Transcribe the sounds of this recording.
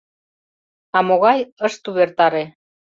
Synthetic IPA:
ɑmoɣɑjəʃt̪uβert̪ɑɾe

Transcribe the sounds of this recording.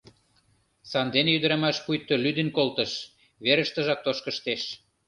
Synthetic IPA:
sɑnd̪enejyd̪ə̆ɾɑmæʃpujt̪ːolyd̪ĕnkolt̪ə̆ʃ | βeɾə̆ʃt̪ə̆ʒɑk̚t̪oʃkə̆ʃt̪eʃ

